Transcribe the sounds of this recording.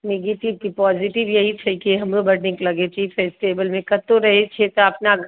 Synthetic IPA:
neɡeʈɪʋt̪ipɔːzɪʈɪʋjɐɦit͡ʃʰɛkiɦɐmlobɐɽnɪ̃ŋklɐɡet͡ʃifʰeːsʈeːbəlmẽkɐt̪oɾɐɦet͡ʃʰet̪oɐpna

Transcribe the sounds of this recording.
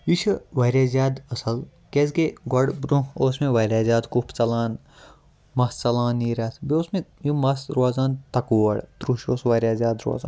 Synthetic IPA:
iʃʰʋɐːɾʲaːzʲjaːd̪ɐsɐl | kesɡeɡɐɽbɾũoːsmẽʋɐɾʲaːzʲjaːd̪kupʰt͡sɐlaːn | mɐst͡sɐlaːniːɾaːt̪ʰbioːsmẽjimɐsɾuaːzaːnt̪ɐkuːɐɽt̪ɾuʃoːsʋɐɾʲjaːzʲjaːd̪ɾo̰a̰ːza̰ːn

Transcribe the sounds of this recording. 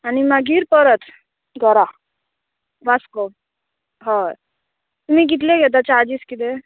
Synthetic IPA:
animaɡiːɾpəɾət̪ | ɡʱəɾa | basko | ɦɔ | t̪um̤iːɡit̪leɡʱet̪̬at͡ɕad͡ʑiːskit̪̬e

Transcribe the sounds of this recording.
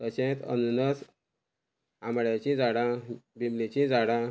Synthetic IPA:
tət͡ɕẽt̪ə̰nunəs | ãmɽjat͡ɕĩd͡zaɽãbimlit͡ɕĩd͡zaɽã

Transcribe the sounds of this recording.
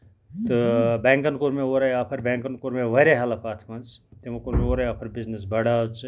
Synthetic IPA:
t̪ɨbɛːŋkɐnkuɾmẽoːɾɐjaːpʰɐɾbɛːŋkɐnkuɾmeʋɐɾʲaɦɐlɐpaːt̪ʰmɐnst̪emɐkuɾmeoːɾɐjaːpʰɐɾbiznɐs̬bɐɽat͡s

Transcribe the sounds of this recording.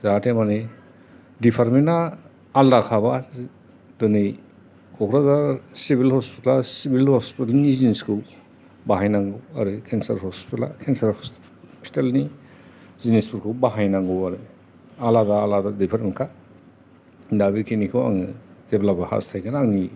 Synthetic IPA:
zatʰemani | dipʰaɾminaː | ldakʰaβa | dɯni | kʰɔkɾazaɾsibilhɔspitasibilhɔspitalnizineskʰu | baɦajnaŋɡua̰ɾɯkʰensaɾɦɔspitala̰kʰensaɾ | pʰi̥talni | zinespuɾkʰubaɦajnaŋɡuaɾɯ | aladaːladadipʰaɾmikʰa | dabikʰinikʰɯwa̰ŋizeblapaha̰stʰajkʰanaːŋi

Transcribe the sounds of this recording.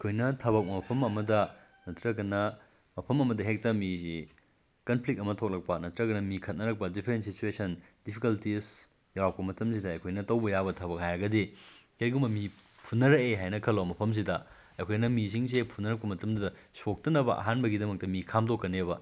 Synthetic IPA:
kʰojnɐtʰɐbɐk̚mɐpʰɐmɐmɐdɐ | nɐtɾɐkɐnɐ | mɐpʰɐmɐmɐdɐɦek̚tɐmizi | kɐnpʰlik̚tɐmɐtʰok̚lɐk̚pɐnɐtɾɐɡɐnɐmikʰɐt̚nɐɾɐk̚pɐdipʰeɾent̚sit͡ʃuesɐndipʰikɐltis | jawp̚pɐmɐtɐms̬idɐːjkʰojnɐtɐwbɐjabɐtʰɐbɐk̚hajɐɡɐdikeɾɡumbɐmi | pʰunːɐɾɐkeɦajnɐkʰɐlomɐpʰɐms̬idɐ | ɐjkʰojnɐmis̬iŋs̬epʰunːɐɾɐk̚pɐmɐtɐmdudɐsok̚tɐnɐbɐ̰ʔɐ̰ɦanbɐɡidɐmɐk̚tɐmikʰamdokːɐnebɐ

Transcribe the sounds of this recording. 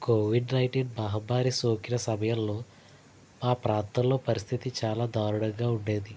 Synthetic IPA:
koːʋiɖnɐjʈinbɐɦɐbaːɾisoːkiɾɐsɐmɐjɐllo̞ː | aːpɾaːnt̪ɐllo̞ːpɐɾist̪ʰit̪it͡ʃaːlaːd̪aːɾuɽɐŋɡaːuɳɖe̞ːd̪i

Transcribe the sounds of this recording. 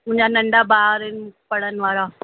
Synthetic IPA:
mʊ̃ːɲd͡ʑanɐ̃ɳɖabaːɾɪnpɐɽənʋaːɾaː

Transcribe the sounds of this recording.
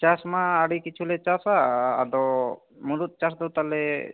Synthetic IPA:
t͡ʃasmãaɽikit͡ʃʰulɛt͡ʃasaːd̪ɔ | mulut̪̚t͡ʃas̬d̪ɔt̪alɛ

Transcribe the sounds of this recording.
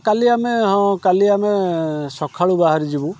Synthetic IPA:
kaliameɦɔ̃kaliamesɔkʰaɭubaɦaɾid͡ʒibu

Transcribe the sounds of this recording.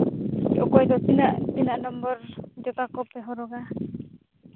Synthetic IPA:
ɔ̰kɔjd̪ɔsinaʔbinaʔnɔmbɔɾd͡ʒɔt̪akɔpɛɦɔɾɔɡa

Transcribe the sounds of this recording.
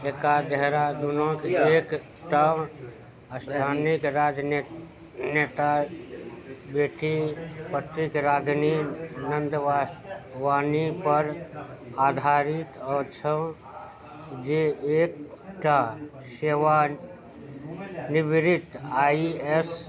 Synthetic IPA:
ekad̪əɦɾad̪unõkeek | ʈa | əst̪ʰanikɾad͡ʒ | net̪a | beʈipət̪ɾikɾaɡ̪ninənd̪əʋasʋanipəɾ | ad̪ʱaɾit̪ɔt͡ʃʰə | d͡ʒeek̚ʈa | seʋa | nibɾit̪aies

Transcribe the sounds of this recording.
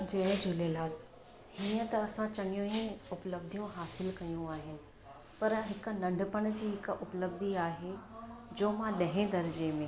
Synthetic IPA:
d͡ʑed͡ʑʊleːlaːd̪ | hiːə̃t̪ɐɐsãt͡ɕɐɠijũĩʊpləb̚d̪ʱijũɦaːsɪlkɐjũaːɦɪnɪ̆ | pɐɾɦɪk̆nɐ̃ɳɖʱəpəɽ̃d͡ʑiːɦɪkʊpləb̚d̪ʱiaːɦed͡ʑoːmãɗɐɦẽd̪ɐɾəd͡ʑemẽ

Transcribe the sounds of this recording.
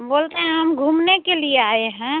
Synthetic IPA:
boːlt̪eɦɛ̃ɦɐmɡʱumnekelieaːeɦɛ̃

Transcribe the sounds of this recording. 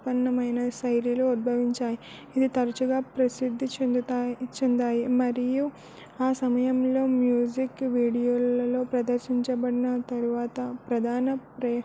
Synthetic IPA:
pɐnːɐmɐjnɐsɐjɾiloud̪̚bʱɐʋiɲt͡ʃaːjiː | d̪it̪ɐɾɐt͡ʃuɡaːpɾɐsid̪ʱːit͡ʃed̪ut̪ːt͡ʃend̪aːjimɐɾiju | aːsɐmɐjɐmlo̞ːmjuːd͡ʒikʋiːɽijoːlɐlo̞ːpɾɐd̪ɐɾʃiɲt͡ʃɐbɐɽinɐt̪ɐɾuʋaːt̪ɐpɾɐd̪ʱaːnɐpɾɐ

